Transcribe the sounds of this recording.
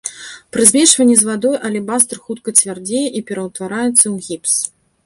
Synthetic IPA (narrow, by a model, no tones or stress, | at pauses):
pɾɨzʲmʲɛʂvɐnʲːɛzvad̪ɔjʔɐlʲɛbast̪rxut̪̚kɐt͡sʲvʲard͡zʲejɛʔipʲɛɾɐwt̪vaɾajɛt̪sːɐwɣʲips